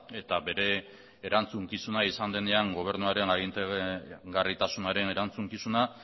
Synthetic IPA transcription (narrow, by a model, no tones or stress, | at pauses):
e̞t̪abe̞ɾe̞ː | ɾant͡suŋkisunaisand̪e̞neaŋɡo̞β̞e̞ɾnuaɾe̞naɣint̪eɣarit̪asunaɾe̞ne̞ɾant͡suŋkisuna